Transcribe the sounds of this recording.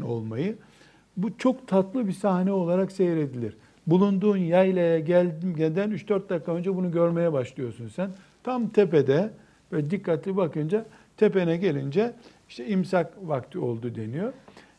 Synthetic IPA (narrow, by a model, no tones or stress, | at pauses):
no̞̰lˠmajɯ | but͡ʃʰo̞kt̪ʰat̪lˠɯbisahnɛo̞lˠaɾakse̞jɾe̞d̪ilʲiɾ | bulˠund̪uːnjajlʲˠajaɟælʲmɟɛnd̪ænyt͡ʃd̪øɾt̪̚d̪akʰːaønd͡ʒɛbunuɟø̞ɾme̞jɛbaʃlˠɯjo̞sunsæn | t̪ʰamt̪ʰeped̪ɛ | vɛd̪ikːat̪lʲibakɯnd͡ʒat̪ʰepenɛɟe̞lʲind͡ʒɛ | iʃt̪ʰɛimsakvakt̪ʰio̞̰lˠd̪ud̪e̞nijo̞